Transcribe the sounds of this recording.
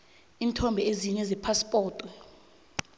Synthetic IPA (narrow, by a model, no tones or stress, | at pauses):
imitʰɔmbʱɛeziɲɛzɛpʰaspʼɔːtʼu